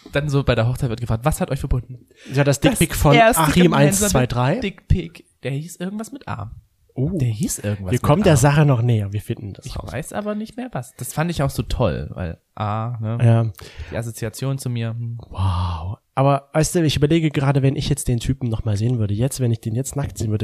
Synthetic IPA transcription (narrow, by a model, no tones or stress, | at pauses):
d̥anzoːbaɪɾeːɐɦɔχt͡saɪtvɪɐtɡ̥əfʁaːktv̥ashatʔɔʏçfɛɐbʊndn̩ | jaːdasd̥ɪkpɪkfɔnːaimʔaɪnsv̥aɪdʁaɪdɪkpʰɪkd̥eːɐhiːsʔɪɐɡŋ̩tvasmɪtʔa̰ː | ʔoːdeːɐhiːsʔɪɐɡ̩v̥aːɐkʰɔmtdeːɐzaχənɔχnɛːɐviːɐfɪndn̩d̥asɪç̰va̰ɪsʔa̰ːbɐnɪçtmeːɐvasd̥asfandəɪçjaʊz̥oːtʰɔ̰lva̰ɪl | ʔaːnəjaːd̥ḭːʔas̬ot͡siat͡sjoːnt͡sumiːɐwaʊʔaːbɐvaɪstd̥uːɪçʔyːbɐleːɡəɡəʁaːdəvɛnʔɪçjɛt͡std̥eːntʰyːpm̩nɔχmaːlzeːənvʏɐdəjɛt͡stvɛnɪçd̥eːnjɛt͡stnaktzeːnvʏɐdə